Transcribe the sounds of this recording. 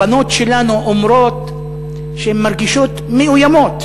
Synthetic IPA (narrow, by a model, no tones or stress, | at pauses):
ano̞t̪ʃelanuʔomɾo̞t̪ | ʃehemːaɾɡiʃot̪meujamo̞t̪